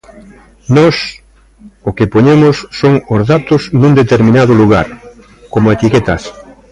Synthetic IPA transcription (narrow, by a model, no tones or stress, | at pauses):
nɔs | okepoɲemʊsːoŋʊzðat̪ʊznũnd̪et̪eɾmĩnaðʊluɣ̞a̰ɾ | komoet̪iket̪ɐs